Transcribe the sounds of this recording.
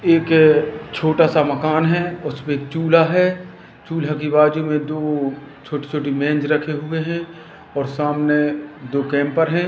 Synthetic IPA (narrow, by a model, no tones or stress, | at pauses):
eːkt͡ʃʰoːʈasamɐkaːnɦɛʊsmẽt͡ʃuːlaɦɛ | t͡ʃuːlakibaːd͡ʒumẽd̪oː | t͡ʃʰoːʈi̥t͡ʃʰoːʈimɛ̃ːnd͡ʒɾɐkʰeɦʊeɦɛ̃ | ɔːɾsaːmned̪oːkɛ̃ːmpəɾɦɛ̃ː